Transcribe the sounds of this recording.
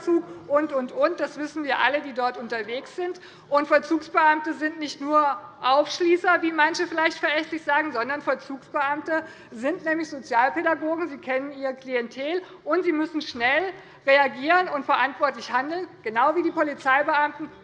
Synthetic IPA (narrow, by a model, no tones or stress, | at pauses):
t͡suːkʔʊntʔʊntʔʊnt̚d̥asv̥ɪsn̩viːɐʔa̰lədiːdɔɐtʔʊntɐveːksz̥ɪnt | ʔʊntfɛɐt͡suːksb̥əʔamtəzɪntnɪçtnuːɐʔaʊfʃliːsɐviːmançəfɪlaɪçtfɛɐʔɛçtlɪçz̥aːɡŋ̩zɔndɐnfɛɐt͡suːksb̥əʔamtə | zɪntnɛːmlɪçz̥ot͡sjaːlpeɾaɡoːɡŋ̩ziːkʰɛnəniːʁəkliɛntʰeːl | ʔʊntz̥iːmʏsn̩ʃnɛl | ʁeaɡiːʁənʊntfɛɐʔantv̥ɔɐtlɪçhandl̩nɡ̥ənaʊviːdiːpʰolit͡saɪbəʔamtn̩